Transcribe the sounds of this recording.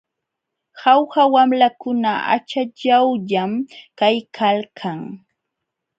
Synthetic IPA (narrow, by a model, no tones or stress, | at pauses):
xawxawamlakʊnaa̰t͡ʃaʎawʎamkajkʰalkʰaŋ